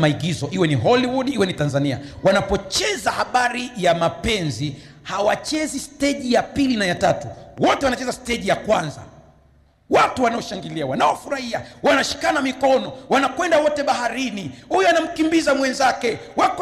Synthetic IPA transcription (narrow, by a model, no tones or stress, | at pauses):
maiɡizɔʔiwɛniɦɔliwudiwɛnitanzania̰wanapɔt͡ʃɛzahaɓaɾijamapɛnzi | hawat͡ʃɛzistɛʄijapilinajatatuwɔtɛwanat͡ʃɛzastɛʄijakwanza̰ | watuwanaɔʃaŋɡiliawanaɔfuɾahiawanaʃi̥kanamikɔnɔwanakwɛndawɔtɛɓahaɾinihujɔanam̩kimbizamwɛnzakɛwak